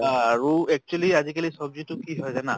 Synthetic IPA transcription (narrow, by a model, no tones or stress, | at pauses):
aɹuɛk̚t͡ʃualiazikalisɔbzitʊkiɦɔjzana